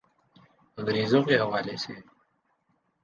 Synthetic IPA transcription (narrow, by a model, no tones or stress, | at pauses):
əŋɾiːzoːkeːɦɐwaːleːseː